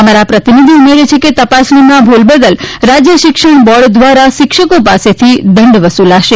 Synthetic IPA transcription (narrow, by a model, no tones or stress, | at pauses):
əmaɾapɾət̪inid̪ʱiumeɾet͡ʃʰeket̪əpasninãbʱolbəd̪əlɾad͡ʒjəʃɪkʃəɳ̃bɔɽd̪ʋaɾaʃɪkʃəkopaset̪ʰid̪əɳɖʋəsulaʃe